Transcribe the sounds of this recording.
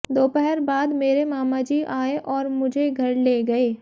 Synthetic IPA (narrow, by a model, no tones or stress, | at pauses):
d̪oːpɛɦɛɾbaːd̪meːɾemaːmad͡ʒiːʔaːeʔɔːɾmʊd͡ʒʱeɡʱɐɾleːɡɐeː